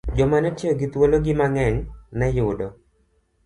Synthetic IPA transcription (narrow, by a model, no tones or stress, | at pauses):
d͡ʒɔmanɛtjeoɡit̪woloɡɪmaŋɛŋnɛjʊdɔ